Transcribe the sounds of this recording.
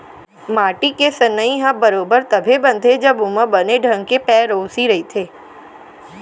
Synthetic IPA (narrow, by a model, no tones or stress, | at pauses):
maːʈikesənːəĩɦãbəɾoːbəɾt̪ɐbʱebɐ̃nt̪ʰed͡ʒɐbʊmə̃bəneɖʱə̃ŋɡkepɛːɾoːsiɾɐɦit̪ʰeː